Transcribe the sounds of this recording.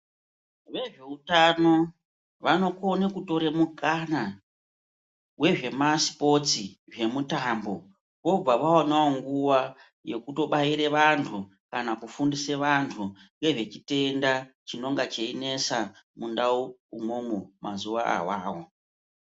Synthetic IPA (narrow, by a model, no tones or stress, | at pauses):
ʋe̞ʐe̞utano̞ | ʋano̞konekuto̞ɾe̞mukana | we̞ʐe̞masi̥po̞t͡siʐe̞mutambo̞ | ko̞b͡vaʋaonaoŋɡuwa | je̞kuto̞ɓaiɾe̞ʋantʰu | kanakufundiseʋantʰu | ŋɡe̞ʐe̞t͡ʃite̞ndat͡ʃino̞ŋɡat͡ʃeine̞samundauumomumʔa̰zuʋaa̰waːwo